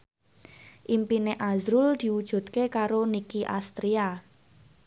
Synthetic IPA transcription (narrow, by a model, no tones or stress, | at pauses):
ʔimpineʔazɾuld̪̥i̤wud̥ʒ̥ṳt̪kekaɾonikiʔa̰st̪ɾia